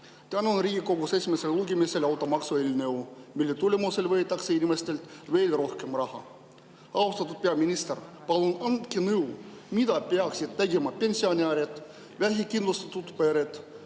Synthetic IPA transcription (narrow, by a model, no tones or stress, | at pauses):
t̪ænonriːɡiko̞ɡusesʲimeselːuɡemise̞lɑwt̪ːˑomɑksuelʲnɤwmilːet̪ulʲemuse̞lvɤːt̪ːˑɑkseinʲimest̪e̞lt̪ve̞ːlro̞hke̞mrɑhɑ̰ | ɑwst̪ɑt̪ːˑud̪̥̚peɑminist̪erpɑlunɑnd̪kinɤwmid̪̥ɑpeɑksid̪̥̚t̪eɡemɑpe̞nʲsionʲiɑɾet̪ | væɦikind̪lust̪ɑ̥t̪ːut̪peɾet̪